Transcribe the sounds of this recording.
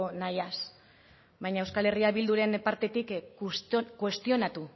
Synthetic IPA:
najas | βajɲaewskale̞riaβild̪uɾe̞npaɾt̪e̞t̪ik | kwe̞st̪io̞nat̪u

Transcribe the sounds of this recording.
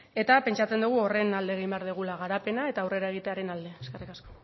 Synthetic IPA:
e̞t̪ape̞nt͡ʃat͡se̞nd̪uɣ̞uo̞re̞nald̪e̞ːɣ̞ijmbeaɾðiɣ̞ulaɣaɾape̞nae̞t̪aːwre̞ɾae̞ɣ̞it̪e̞aɾe̞nald̪e̞ske̞rikasko̞

